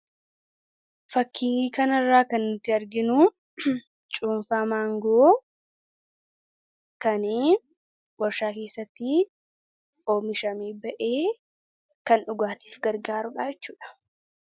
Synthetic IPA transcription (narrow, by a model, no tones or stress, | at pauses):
fɐkːiːkɐnɐrːaːkɐnːʊt̪ːɪɐɾɡɪnʊ | t͡ʃʼuːɱfaːmaːŋɡoː | kɐniː | wɔɾʃaːke̞ːsːɐt̪ːi | oːmɪʃɐmiːbɐʔeː | kɐnᶑʊɡaːt̪i̥ːfɡɐɾɡaːɾʊᶑaːd͡ʒɛt͡ʃːuːᶑɐ̥